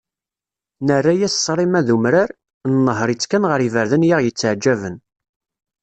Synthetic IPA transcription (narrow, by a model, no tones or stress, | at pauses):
nərːajæssˤːɾˤimæðumɾaɾ | nnːəɦɾˤit͡sːkænʁəɾivəɾðənjaʁjət͡sːəʕd͡ʒːævən